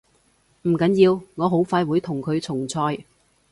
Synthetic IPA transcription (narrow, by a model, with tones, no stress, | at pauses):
m̩˨˩kɐ˨˥njiː˧wŋɔː˨˧ɦo˨˥wfaː˧jwuː˨˧˥jt̪ʰʊ˨˩ŋkʰɵ˨˧ɥt͡sʰʊ˨˩ŋt͡sʰɔː˧j